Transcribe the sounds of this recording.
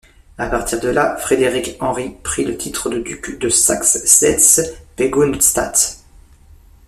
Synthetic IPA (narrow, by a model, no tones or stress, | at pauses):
apaʁt̪ʰiʁd̪əlafχed̪eʁikɑ̃ʁipχilət̪ʰit̪χəd̪əd̪ykd̪əsa̰ksːɛt̪speɡonst̪a̰t̪